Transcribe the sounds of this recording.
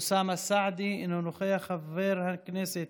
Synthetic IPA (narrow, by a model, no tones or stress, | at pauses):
saːmasaʕd̪iʔɪnːʊnʊxajaxavːeːɾhakneːsɪt̪